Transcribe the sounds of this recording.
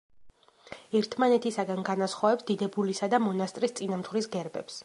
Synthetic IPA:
ɛɾt̪ʰmanɛt̪ʰisaɡanɡanasχɔvɛpsd̪̥id̪ɛbulisad̪amɔnast̪ʼɾist̪sʼinamt̪χwɾisɡɛɾbɛ̰ps

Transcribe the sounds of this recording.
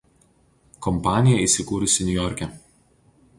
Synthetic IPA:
kɔmpɑːnʲɪjɛiːˑsʲɪkuːɾʲʊsʲɪnʲʊjɔɾʲkʲɛ

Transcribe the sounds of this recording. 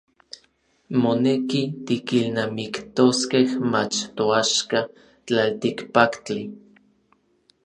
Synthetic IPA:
monekit̪ikilnamikt̪oskehmat͡ʃt̪oaʃka | t͡ɬalt̪ikpakt͡ɬi

